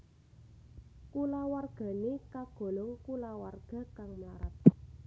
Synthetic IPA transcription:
kulawarɡ̥a̤nekaɡ̥o̤lɔŋkulawarɡ̥a̤kaŋmaɾat̪̚

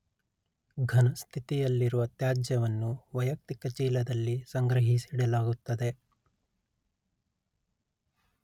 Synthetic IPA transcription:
ɡʱɐnɐst̪ʰit̪ijɐlːiɾuʋɐt̪jaːd͡ʒjɐʋɐnːuʋɐjɐk̚t̪ikɐt͡ʃiːlɐd̪ɐlːisɐŋɡɾɐɦisiɽɐlaːɡut̪ːɐd̪e̞

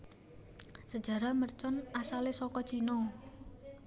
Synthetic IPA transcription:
səd̥d͡ʒ̥ä̤ɾamərt͡ʃɔnasalesɔkɔ̥t͡ʃinɔ

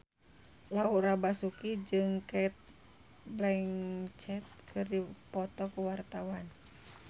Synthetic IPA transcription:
laurabasukid͡ʒɨŋkait̪̚ | blɛŋt͡ʃɛt̪̚kʰɨrdipɔt̪ɔkuwart̪awan

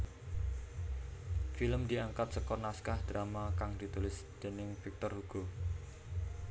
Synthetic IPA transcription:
filəmd̪iaŋkat̪̚səkɔnaskahd̪̥ɾamakaŋd̪̥it̪ulɪsd̪̥e̤nɪŋfik̚t̪ɔrhuɡ̥o

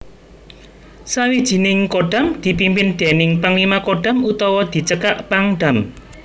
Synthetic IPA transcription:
sawid̥ʒ̥i̤nɪŋkoɖ̥a̤md̪̥i̤pimpɪnd̪̥e̤nɪŋpaŋlimakoɖ̥a̤mut̪ɔwɔd̪̥i̤t͡ʃəkaʔpaŋɖ̥a̤m

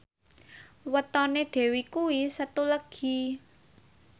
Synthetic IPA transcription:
wət̪ɔneɖ̪̥ɛ̤wikuwisət̪uləɡ̥i̤

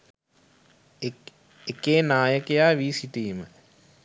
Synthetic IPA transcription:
ekeːnaːjəkejaːʋiːsiʈiːmə

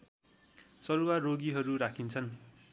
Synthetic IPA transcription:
sʌɾuwarːoɡiɦʌɾuɾakʰint͡sʰʌn

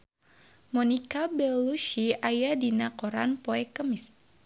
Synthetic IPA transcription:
mɔnikabɛluʃiajadinakɔɾanpoɛkəmis

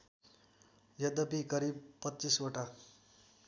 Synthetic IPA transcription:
jʌd̪ʌpikʌɾib̚pʌtːt͡sisoʈa

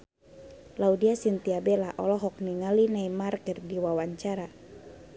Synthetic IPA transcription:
laudiasint̪iabelaʔɔlɔɦɔk̚niŋalinaimarkərdiwawaɲt͡ʃaɾa

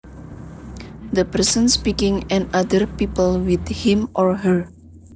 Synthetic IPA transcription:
d̪əpərsə̃nspikɪŋɛ̃nad̪ərpipəlwid̪hĩmʔɔɹɦəɹ

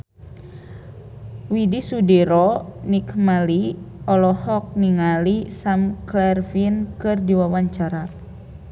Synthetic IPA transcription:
widisudiɾɔnikmaliɔlɔhɔk̚niŋalisamklɛrfinkɨrdiwawaɲt͡ʃaɾa

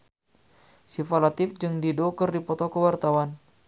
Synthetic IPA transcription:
sifalat̪ɪfd͡ʒɨŋdidokərdipɔt̪ɔkəwart̪awan

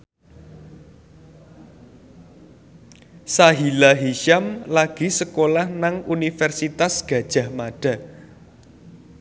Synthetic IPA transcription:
saɦilaɦiʃamlaɡ̥i̤səkolahnaŋunifɛrsit̪asɡ̥ä̤d̥ʒ̥a̤hmaɖ̥a̤

